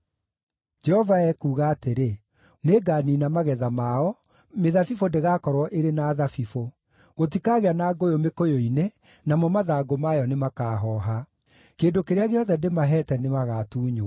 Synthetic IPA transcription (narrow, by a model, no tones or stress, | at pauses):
d͡ʒɛhɔvaɛkuːɣaːteɾe | neɡaːninamaɣɛðamaɔ | meðafifondeɣaːkɔɾwɔʔeɾenaːðafifo | ɣot̬ikaɣeanaːɡojomekojoine | namɔmaðaːɡomajɔnemakaːɦɔɦa | keːndokeɾeaɣeɔðɛndemaɦɛtɛnemaɣaːtuːɲo